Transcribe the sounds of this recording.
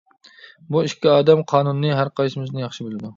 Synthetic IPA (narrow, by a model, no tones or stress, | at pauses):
buiʃkʲiɑːd̪ɛmqʰɑːnunːɨɦæɾqʰɑjsɪmɪznɪjɑχʃɪbylˠɪd̪u